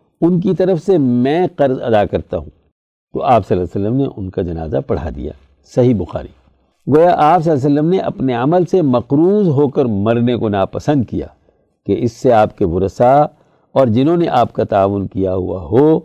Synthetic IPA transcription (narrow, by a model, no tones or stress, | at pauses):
ʊnk̬it̪ɐɾəfsemɛ̃ːqɐɾzɐ̰d̪akɐɾt̪aɦũː | t̪o̰ʔaːpsɐlːasəlːəmneʔʊnkad͡ʒɐna̰ːza̰pɐɽ̤a̰d̪ḭja̰ː | sɐɦibʊxa̰ːɾḭ | ɡoːjaʔaːps̬ɐlːs̬əlːəmneʔɐ̰pneɐməlsemɐqɾuːzɦoːkəɾmɐɾnekonaːpɐsə̃nd̪̚kija̰ː | keʔɪsːeaːpkeʋʊɾəsa | ɔːɾd͡ʒɪnɦõːneʔaːpkat̪aːʋʊnkijaɦṵa̰ɦoː